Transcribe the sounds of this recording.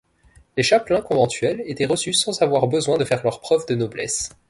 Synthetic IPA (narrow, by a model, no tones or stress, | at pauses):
leʃaplɛ̃kɔ̃vɑ̃t̪ɥɛlet̪ɛʁəsysɑ̃zavwaʁbəzwɛ̃d̪əfɛʁlœʁpχœvd̪ənɔblɛ̰s